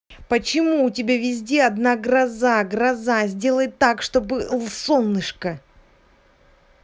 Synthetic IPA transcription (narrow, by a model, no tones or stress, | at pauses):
pət͡ɕɪmuʊtʲɪbʲavʲɪzʲdʲeɐd̪naɡrɐzaɡrɐzazʲdʲe̞lˠəjɪt̪ːakʂt̪obɨlˠsolˠnɨʂkə